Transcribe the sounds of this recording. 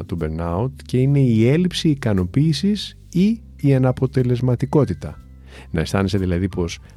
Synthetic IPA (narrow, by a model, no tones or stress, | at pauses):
t̪ubeɾnɐut̪ce̞ine̞ie̞lipsiːkɐno̞piːsis | i | iɐnɐpo̞t̪e̞le̞zmɐt̪iko̞t̪it̪ɐ̰ | nɐe̞st̪ɐ̰ne̞seðilɐðipo̞s